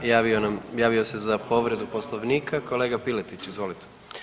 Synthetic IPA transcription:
jaionamjaːʋiose̞zapo̞ʋɾe̞d̪uposlˠoʋniːkʰako̞le̞ːɡapilet̪it͡ɕizʋo̞ːlit̪e̥

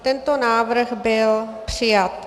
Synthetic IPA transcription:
t̪ɛnt̪onaːʋɾxbɪlpr̥ɪjat̪

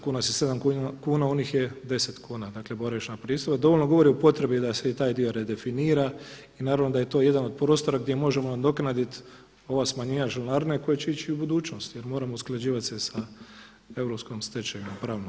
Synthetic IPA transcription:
kuːnasjese̞d̪amkukuːnaoniːxjed̪e̞set̪kʰuːnad̪aːkle̞boɾaʃnapɾiːst̪oʋad̪o̞ʋo̞lʲnoɡo̞ʋo̞ɾiupo̞t̪ɾe̞bid̪aseit̪aːjd̪io̞ɾed̪e̞finiːɾa | inaːɾaʋnod̪aje̞t̪o̞je̞d̪ano̞d̪̚pɾoːst̪o̞ɾaɡd̪je̞mo̞ʒemond̪o̞knad̪it̪ | o̞ʋasmaɲiɲaʒelnaɾneko̞jat͡ɕe̞it͡ʃiubud̪uːt͡ʃno̞st̪jeɾmo̞ːɾamousklˠad͡ʒiːʋat̪sesa | e̞ʋɾopskomst̪e̞t͡ʃejimapɾaːʋnom

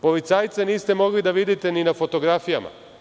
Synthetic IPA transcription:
po̞ʋit̪saːjt̪seniːst̪e̞mo̞ɡlid̪aʋid̪it̪e̞ninafo̞t̪o̞ɡɾafijama̰

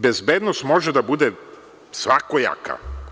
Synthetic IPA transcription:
bezbed̪nost̪mo̞ʒed̪abud̪e | sʋakoja̰ka̰

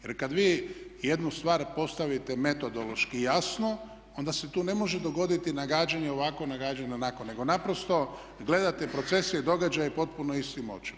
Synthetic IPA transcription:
je̞ɾkad̪ʋiːje̞d̪nust̪ʋaːɾpo̞st̪aʋit̪e̞me̞t̪o̞d̪olo̞ʃkijasno̞ | o̞nd̪ase̞t̪uːne̞mo̞ʒe̞d̪o̞ɡo̞d̪it̪inaɡaːd͡ʒaɲeo̞ʋako̞naɡaːd͡ʒaɲanakonːe̞ɡo̞napɾo̞st̪o̞ | ɡle̞d̪at̪e̞pɾo̞t̪se̞sieid̪o̞ɡad͡ʒajepo̞t̪̚punoist̪imo̰t͡ʃi̥

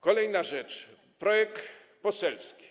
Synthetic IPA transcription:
kɔlɛjnaʐɛt͡ʂ | pɾɔjɛkt̪ | pɔsɛlfskʲi̥

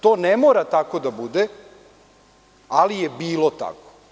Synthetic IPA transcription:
t̪oːnemoːɾat̪ako̞d̪abud̪e | alijebiːlˠot̪a̰ko̥

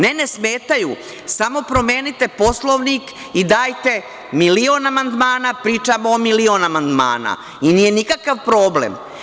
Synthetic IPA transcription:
nenesmeːt̪ajṵ | samo̞pɾo̞meːnit̪e̞po̞slˠoʋnik | id̪aːjt̪e̞ | milio̞namand̪maːnapɾiːt͡ʃamoːmilionamand̪ma̰ːna̰ | iniːjenikakaʋpɾoːblḛm

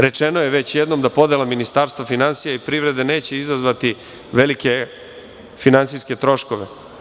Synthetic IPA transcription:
ɾe̞t͡ʃeno̞jeʋet͡ɕjed̪no̞md̪apo̞d̪elaminist̪aːɾst̪ʋafinansijaipɾiʋɾe̞d̪e̞ne̞ːt͡ɕe̞izazʋat̪i | ʋe̞like̞ | finansijske̞t̪ɾo̞ʃko̞ʋe̞̰

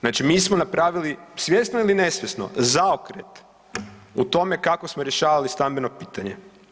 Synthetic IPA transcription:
znaːt͡ʃimiːsmonapɾaːʋilisjesnoilinesʋjesno̞̰zaokɾet̪ | ut̪o̞me̞kakosmoɾjeʃaːʋalist̪ambeno̞piːt̪aɲe

